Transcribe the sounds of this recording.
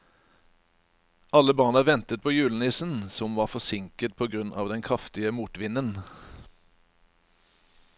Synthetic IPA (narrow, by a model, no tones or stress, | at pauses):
ʔɑləbɑːnəʋɛnt̪ət̪̚pʰoːjʉːln̩ɪsn̩sɔmʋɑːʁfɔsɪŋkət̪̚pʰoːɡʁʉnʔɑ̰ːʋd̪ɛnkʰʁɑft̪ɪəmuːt̪ʋɪnən